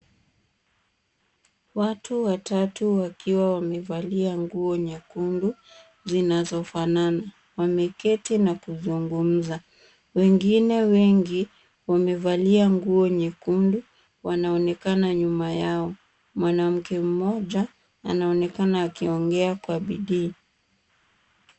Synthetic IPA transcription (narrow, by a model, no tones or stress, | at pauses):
watʰuwatatuwakiwawamɛvaliaŋɡuɔɲɛkundu | zinazɔfanana | wamɛkɛtinakuzuŋɡum̩za | wɛŋɡinɛwɛŋɡi | wamɛvaliaŋɡuɔɲɛkundu | wanaɔnɛkanaɲumajaɔ | mwanam̩kɛm̩mɔʄa | a̰naɔnɛkanaːkiɔŋɡɛakwaɓiɗiː